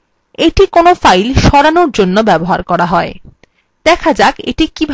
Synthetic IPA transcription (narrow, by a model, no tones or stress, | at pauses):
eʈikonofajlʃɔɾanoɾd͡ʑonːobɛboɦa̰ɾkɔɾaɦɔe | d̪ɛkʰad͡ʑakḛʈikibʱ